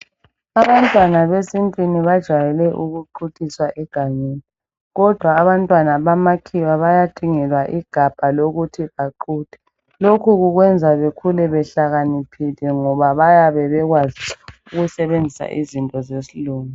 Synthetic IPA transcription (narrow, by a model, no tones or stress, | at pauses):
aβantʼwanaβesintʼiniβad̥ʒ̥ʱajɛlɛʔuɣuǃutʼiswaʔɛɡ̥ʱaɲeːni | ɣɔd̥ʱwaːβantʼwanaβamakʰiwaβajatʰʼiŋɛlwaʔiɡ̥ʱab̥ʱaloɣutʰiβaǃuːd̥ʱɛ̥ | lokʰuɣuɣwɛnd͡zʱaβekʰulɛβɛɬaɣanipʰilɛŋɔβaβajaβɛβɛɣwaziuɣusɛβend͡zʱisa̰ʔizintʼɔzesiluːŋu